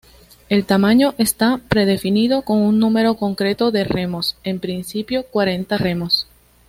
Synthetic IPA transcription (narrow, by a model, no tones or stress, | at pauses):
e̞lt̪amãɲo̞ʔest̪apɾe̞ðe̞finiðo̞ko̞ŋunnũme̞ɾo̞ko̞ŋkɾe̞t̪o̞ðe̞re̞mo̞se̞mpɾinsipjo̞kwaɾe̞nt̪are̞mo̞s